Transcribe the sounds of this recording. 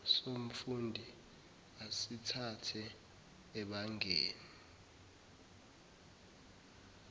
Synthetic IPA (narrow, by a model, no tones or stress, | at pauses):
som̩fundʱi | asitʰatʰɛː | ɓaŋʱḛːnii